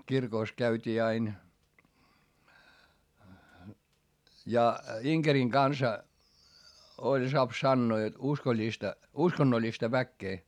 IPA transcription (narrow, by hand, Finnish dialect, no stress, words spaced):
kirkoˑs kæytʲiː ɑin jɑ iŋkeriŋ ɡ̊ɑnsɑ olʲ soɑp sɑnːoː jot uskolʲːistɑ uskonːolʲːistɑ ʋækːeː